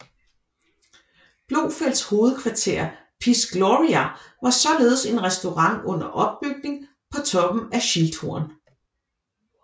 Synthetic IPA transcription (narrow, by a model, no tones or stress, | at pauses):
b̥lo̝ːfel̰sho̝ːð̞̩ˠkʰʋɑ̈t͡sʰe̝̰ːɐpʰisɡ̥lɔʁiæʋɑ̈sɒ̽le̝ːð̞̩ˠse̝nʁɛsd̥o̝ʁɑ̈ŋ̰ɔ̽n̰ɐʔɒ̽b̥ːyɡ̥̚ne̝ŋ | pʰɒ̽t͡sʰɒ̽b̥m̩æɕild̥ʰo̝̰ɐn